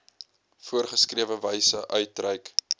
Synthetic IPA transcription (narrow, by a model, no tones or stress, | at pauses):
fuərχəskriəvəvəjsəʔœɥt̚rɛjk